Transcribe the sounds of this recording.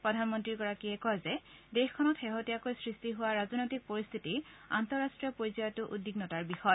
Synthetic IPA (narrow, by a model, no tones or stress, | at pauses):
pɹɔdʱanmɔntɹiɹɡɔɹakiɛkɔjzɛdexkʰːɔnɔtxeɦotijakojsɹistiɦʊwaɹazɔnɔjtik̚poɹist̪ʰitiɹa̰ntɔɹastɹijɔpoɹizajɔtʊʔudːiɡnɔtaɹbixɔj